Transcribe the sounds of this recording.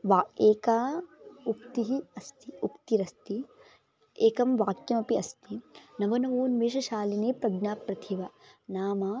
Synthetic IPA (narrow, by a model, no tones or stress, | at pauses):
ʋaeːkaːukt̪iɦiɐst̪iukt̪iɾɐst̪i | eːkɐmʋaːkjɐmɐpiɐst̪inɐʋɐnɐʋoːnʋeːʃɐʃaːlineːpɾɐɡnaːpɾɐt̪ʰiʋɐnaːmaː